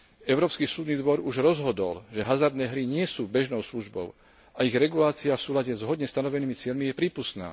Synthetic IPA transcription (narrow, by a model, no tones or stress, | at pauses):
ɛʊɾɔːpskiːsuːd̪niːd̪ʋɔɾuʒɾɔzɦɔd̪ɔ̰lʒɛɦazaɾd̪nɛːɦɾiɲɪɛsuːbɛʒnɔʊsluʒbɔ̰ʊ | ʔaiɣɾɛɡulaːt͡siafsuːlaɟɛzɦɔd̪ɲɛst̪anɔʋɛniːmit͡sɪɛʎmijɛpɾiːpust̪na̰ː